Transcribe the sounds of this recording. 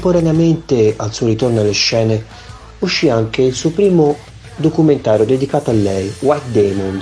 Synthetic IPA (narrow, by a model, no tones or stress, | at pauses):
mpːoɾaneament̪ealsuːoɾit̪ornoalːeʃːɛːne | uʃːiaŋkeilsuːopɾiːmo | d̪okument̪aːɾjod̪ed̪ikaːt̪oalːɛjwajt̪̚d̪ɛmund̪